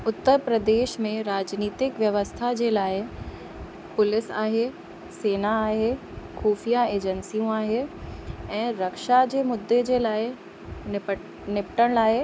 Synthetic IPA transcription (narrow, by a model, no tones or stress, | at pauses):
ʊt̪ːəɾpɾəd̪eːʃmẽɾaːd͡ʑniːt̪ɪkʋjɐʋəst̪ʰad͡ʑeːlaːɪ | pʊlɪsaːɦe | seːnaːɦe | xuːfijaeːd͡ʑənsijõaːɦe | ɛ̃ːɾɐkʃad͡ʑeːmʊd̪ːed͡ʑeːlaːɪ | ɪ | nɪpʈəɽ̃laːe